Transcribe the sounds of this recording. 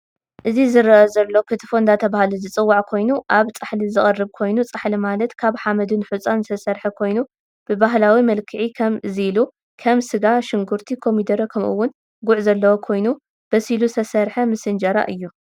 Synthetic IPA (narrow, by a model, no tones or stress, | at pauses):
ʔɨzizɨɾɐʔɐzɐlːo̞kʰɨt̪ʰɨfond̪at̪ʰɐβahaluzɨt͡sʼɨwːaʕkʰo̞jnuʔaβt͡sʼaħlizɨχʼɐrːɨβkʰo̞jnut͡sʼaħlimalɐt̪kʰaβħamɐd̪ɨnħut͡sʼansʰɐsɐɾħɐkʰo̞jnu | b̥ɨbaɦlawimɐlkʰɨʕikʰɐmzilu | kʰɐmsɨɡaʃɨŋɡuɾt̪ʰikʰo̞mid̪ɐɾɐkʰɐmʔṵwːʊn | ɡʊʕzɐlːɐwokʰo̞jnu | b̥ɐsilusʰɐsɐɾħɐmɨsɨnd͡ʒɐɾa̰ʔɨjːu